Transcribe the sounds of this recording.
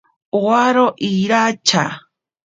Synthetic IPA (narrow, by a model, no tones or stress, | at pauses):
oaɾoʔiɾat͡ʃa̰